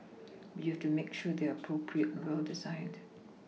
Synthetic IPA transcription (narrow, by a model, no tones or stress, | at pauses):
wihɛftumekʃud̪eəpʰɹopʰɹiətɛ̃nwɛldɪzãɪ̃nd